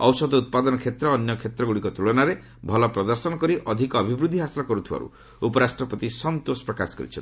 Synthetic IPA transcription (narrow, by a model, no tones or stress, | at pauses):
ɔwsɔd̪ɔut̪̚pad̪ɔnɔkʰet̪ɾɔːnjɔkʰet̪ɾɔɡuɽikɔt̪uɭɔnaɾe | bʱɔlɔpɾɔd̪ɔɾsɔnɔkɔɾiʔɔd̪ʱikɔːbʱibɾud̪ʱːiɦasilɔkɔɾut̪ʰiba̰ɾṵ | upɔɾasʈɾɔpɔt̪isɔnt̪osɔ̥pɾɔkaskɔ̰ɾḭt͡ʃʰɔn